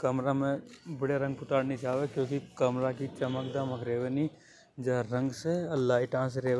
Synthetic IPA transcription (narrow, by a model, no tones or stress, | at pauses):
kɐmɾamẽbəɽeɾɐ̃ŋɡ̚pʊt̪aːɽnit͡ʃaːʋekjõːkikɐmɾakit͡ʃɐməkd̪aməkɾeːʋeni | d͡ʒɐɦɾə̃ŋɡseɐlːaɦɪʈãːsɾeː